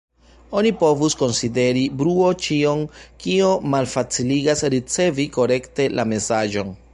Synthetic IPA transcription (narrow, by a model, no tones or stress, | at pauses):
o̞nipo̞vusko̞nside̞ɾibɾuo̞t͡ʃio̞nkio̞malfat͡siliɡasɾit͡se̞viko̞ɾe̞kte̞lʔame̞sad͡ʒo̞n